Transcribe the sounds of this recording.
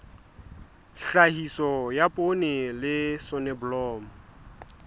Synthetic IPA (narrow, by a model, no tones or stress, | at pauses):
ɬahisɔjapʼonɪlɪsɔnɛbʊlɔːmʊ